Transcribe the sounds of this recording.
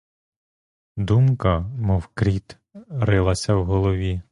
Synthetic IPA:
d̪umkɐmɔwkɾʲit̪ | ɾɪlˠɐsʲɐwɦɔlˠɔʋʲi

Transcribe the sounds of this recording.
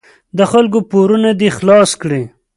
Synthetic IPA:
d̪əxalkopoɾunad̪ixlɑskɽe

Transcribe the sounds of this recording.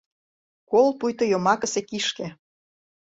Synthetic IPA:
kolpujt̪ŏjomɑkə̆sekiʃkĕ

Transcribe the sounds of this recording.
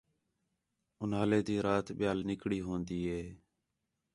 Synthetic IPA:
ʊnɦaːleːd̪iːɾaːt̪ɓɪjaːlnɪkɽiːɦõːnd̪iːɦeː

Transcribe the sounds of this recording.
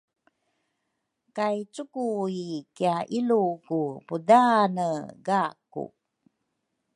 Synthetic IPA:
kajt͡sukuikiaʔilukupudanəɡakṵ

